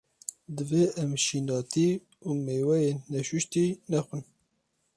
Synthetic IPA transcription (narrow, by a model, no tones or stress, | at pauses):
d̪ɨveʔɛmʃiːnɑːt̪ʰiː | uːmeːwɛjeːnːɛʃuʃt̪iːnɛxʷɨn